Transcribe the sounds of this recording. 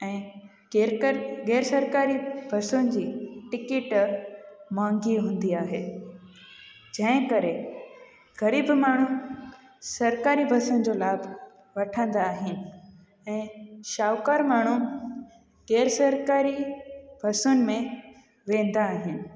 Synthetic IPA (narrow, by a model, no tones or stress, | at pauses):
ɛ̃ː | ɡɛːɾsɐɾkaːɾibʱɐsʊnɪ̆d͡ʑiːʈɪkɪʈ | mãːŋɡiɦũːn̆d̪iaːɦeː | d͡ʑɐ̃ɦɪ̃kɐɾe | ɣɐɾiːbmaːɳ̤u | sɐɾkaːɾibʱɐsʊnɪ̆d͡ʑolaːbʱ | ʋɐʈʰə̃nd̪aːɦɪnɪ̆ | ɛ̃ːʃaːʋkaːɾmaːɳ̤u | ɡ̥ɛːɾsɐɾkaːɾibʱɐsʊnɪ̆mẽ | ʋẽːn̆d̪aːɦɪnɪ̆